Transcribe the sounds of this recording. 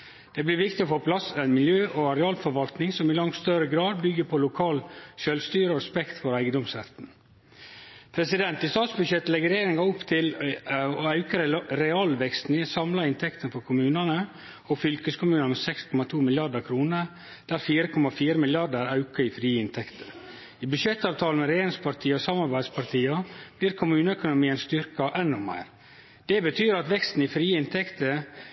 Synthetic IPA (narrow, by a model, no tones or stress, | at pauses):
d̪̥ɛblɪɾʋɪkt̪ɪɔfoːpʰlɑsæɪnmɪljøːʔɔɑɾɛɑːlfɔɾʋɑlt̪nɪŋsɔmɪlɑŋst̪œɾəɡɾɑːd̪̚bʏɡəpʰɔlʊkʰɑːlʃøːlst̪yːɾəɔɾɛspɛkt̪fɔɾæɪɡənd̪ɔmsɾɛ̰t̪n̩ | pʰɾɛsɪd̪ɛnt̪ɪst̪ɑːt̪sbʉd̪ɕjɛt̪ːəlɛɡəɾeeɾɪŋɑʊpt̪ʰɪlɔɑʉkəɾɾɛɑlʋɛkst̪nɪsɑmlɑɪnt̪ʰɛkt̪ənfɔɾkʰʊmʉːnɑnə | ɔfʏlkəskʰʊmʉːnɑnmɛsɛkskʰɔmɑt̪ʰuːmɪljɑɖəɾkʰɾuːnə | d̪̥æɾfiːɾəkʰɔmɑfiːɾəmɪljɑɖəɾɑʉkəɪfɾiːɪnt̪ʰɛkt̪ʰə̥ | ibʉʂɛt̪ːɑːʋt̪ʰɑːlmɛɾeːɾɪŋspʰɑɾt̪ʰiːəɔsɑmɑɾbæɪd̪spʰɑɾt̪ʰiːɑb̥liːɾkʰʊmʉːnəɛkʊnʊmiːənst̪ʏɾkɑʔɛnːʊmæ̰ɪɾ | d̪̥ɛbət̪ʰyːɾɑt̪ʋɛkst̪n̩ɪfɾiːɪnt̪ʰɛkt̪ə